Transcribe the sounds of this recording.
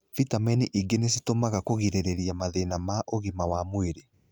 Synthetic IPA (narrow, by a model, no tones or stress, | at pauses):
fitamɛniʔiɡenes̬itomaɣakoɣiɾeɾeɾiamaðenamaʔoɣimawamweɾe